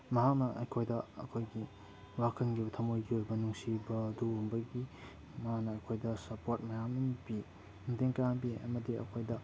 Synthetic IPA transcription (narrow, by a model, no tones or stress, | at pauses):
mɐɦak̚nɐʔɐ̰jkʰojdɐɐ̰kʰojɡi | wakʰɐnɡibɐtʰɐmojɡiojbɐnuŋsibɐːduɐmbɐɡi | mɐɦaknɐːkʰojdɐsɐpoɾt̚mɐjamɐnbi | muteŋkaŋbiɐ̰mɐdiɐ̰kʰojdɐ